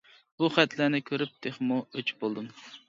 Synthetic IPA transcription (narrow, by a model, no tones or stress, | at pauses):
b̥uχɛt̪lænɪkʲʰøɾyp̚d̪̥ʰeχmuøt͡ʃbolˠd̪ɨm